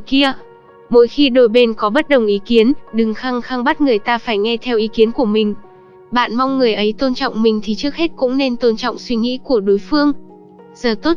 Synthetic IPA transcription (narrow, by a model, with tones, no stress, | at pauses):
ki˧ə | mo̰˧˥jxi˧ɗo˧˩jɓe˧nkɔ˨˦ɓə˦˥t̚ɗə˨˩wŋ͡mʔi˨˦ki˨˦ənɗɨ˨˩ŋxaː˧ŋxaː˧ŋɓə˦˥t̚ŋɨ˨˩əjt̪aː˧faː˧˩jŋɛ˧t̪ʰɛ˧wʔi˨˦ki˨˦ənku˧˩əmï˨˩ŋ̟ | ɓa̰ː˧˨nma˧wŋ͡mːɨ˨˩əjʔə˨˦jt̪o˧nt͡ɕɔ̰˧˨wŋ͡mmï˨˩ŋ̟t̪ʰi˨˩t͡ɕɨ˦˥ək̚he˦˥t̚kʊ̰˧˥ŋ͡mne˧nt̪o˧nt͡ɕɔ̰˧˨wŋ͡mswi˧ŋḭ˧˥ku˧˩əɗo˨˦jfɨ˧əŋ | z̥əː˨˩t̪o˦˥t̚